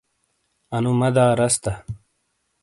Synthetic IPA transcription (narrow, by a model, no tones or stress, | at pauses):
ɐnumɐd̪aːɾɐst̪ɐ